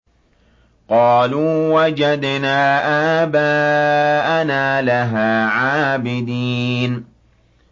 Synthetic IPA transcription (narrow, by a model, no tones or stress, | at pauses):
qɑːluːwad͡ʒad̪naːʔaːbaːʔanaːlaɦaːʕaːbɪd̪iːn